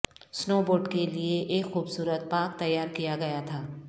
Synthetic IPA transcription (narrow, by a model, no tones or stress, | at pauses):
snoːboːɾɖkelieʔeːkxuːbsuːɾət̪̚paːk̚t̪ɐjːaːɾkijaɡɐjat̪ʰaː